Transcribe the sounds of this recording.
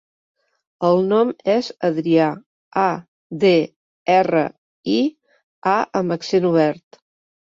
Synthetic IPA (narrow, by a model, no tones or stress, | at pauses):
əlˠnɔmɛzəðɾia | a | de | ɛrə̰ | i | aʔəmbəksenuβ̞ɛɾt̪